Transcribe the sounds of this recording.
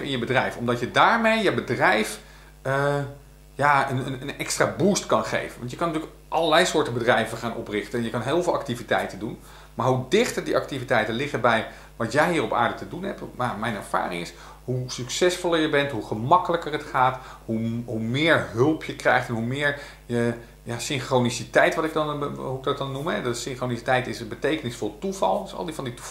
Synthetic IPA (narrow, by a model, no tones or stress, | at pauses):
ɪnjəbədrɛjfɔ̰mdɑtjədaːɹmejjəbədrɛjf | jaːənənənɛkstraːbustkɑnχḛjvənʋɑntjəkɑnːətyːlək | ʔɑlˠəɹlɛjsʊːɹtəbədrɛjvəχaːnʔɔ̰prɪχtənɛnjəkɑnɦɪːlˠvɪːlˠɑk̚tivitɛjtəndun | maːɹɦudɪχtəɹdiʔɑk̚tivitɛjtənlɪχəbɛj | ʋɑtjɛjɦiːrɔpa̰ːɹdətədunɦɛptmaɹmɛjnɛ̰ɹv̥a̰ːrɪ̰ŋɪs | ɦusyksɛsfɔlˠəɹjəbɛntɦuχəmɑkələkərətχaːtɦuɦumɪːɹɦɵlˠpʰjəkrɛjχtɛnɦumɪːɹ | jə | jaːsɪnχrownisitɛjtʋɑtɪk̚dɑnɦudɑt̚dɑnːumɦɛdsɪŋχronisitɛjtɪsəbətejkənɪsfɔlˠtuvɑ̰lˠsɑ̰lˠdivɑnditu